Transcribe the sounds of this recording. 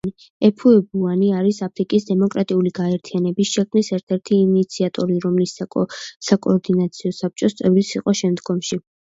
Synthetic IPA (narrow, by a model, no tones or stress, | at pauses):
i | ɛpʰuɛbuaniaɾisapʰɾikʼisd̪ɛmɔkʼɾat̪ʼiuliɡaɛɾt̪ʰianɛbisʃɛkʰmnisɛɾt̪ʰɛɾt̪ʰiːnit̪sʰiat̪ʼɔɾiɾɔmlissakʼɔːɾd̪inat̪sʰiɔsap̚t͡ʃʼɔst̪sʼɛvɾisiqʼɔʃɛmd̪ɡɔmʃi